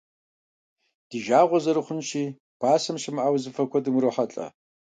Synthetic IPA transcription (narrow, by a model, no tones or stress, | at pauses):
d̥iʒaːʁʷɔzɐɾɨχʷʊnʃiː | b̥ʰaːsɐmʃɪmʔaːwzɨfɐkʷʰɐdɨmɾɨħɐt͡ɬʼɐ̰